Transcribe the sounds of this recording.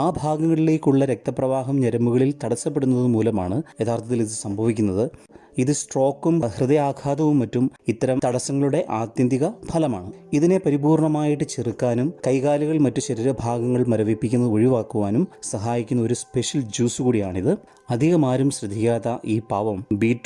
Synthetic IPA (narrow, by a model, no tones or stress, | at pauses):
aːbʱaːɡɐŋːɐɭileːkʲːuɭːɐɾe̞k̚t̪ɐprɐʋaːɦɐmɲɐɾɐmbuɣɐɭilt̪ɐɽɐsːɐpːeɽunːɐðɨmuːlɐmaːɳɨe̞t̪ʰaːrt̪ʰɐt̪ːiliðɨsɐmbʱɐʋikʲːunːɐðɨ | iðɨsʈro̞ːkːumɐhrɨðɐjaːɡʰaːd̪ɐʋumːɐtːumit̪ːɐɾɐmt̪ɐɽɐsɐŋːɐɭuɽe̞ʔaːt̪jɐnd̪iɣɐbʰʱɐlɐma̰ːɳɨiðine̞pɐɾibuːrɳɐmaːjiʈːɨt͡ɕerɨkːaːnumkɐjkaːliɣɐɭmɐtːuɕɐɾiɾɐbʱaːɡɐŋːɐɭmɐɾɐʋipːikʲːunːɐðɨoɻiʋaːkːuʋaːnumsɐɦaːjikʲːunːɐo̞ɾuspe̞ʂjɐld͡ʑuːsɨkuːɽijaːɳiðɨ | ɐd̪ʱiɣɐmaːɾumɕrɨd̪ʱikʲːaːt̪ɐʔiːpaːʋɐmbiːʈː